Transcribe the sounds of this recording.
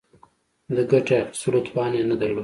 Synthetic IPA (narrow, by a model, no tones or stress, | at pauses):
d̪əɡaʈesuɾat̪pɑːnenəd̪ɐɾloːd̪